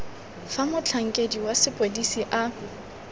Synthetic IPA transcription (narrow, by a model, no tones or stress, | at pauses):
famʊt͡ɬʰaŋ̩kʼediwasɪpʼodisiʔa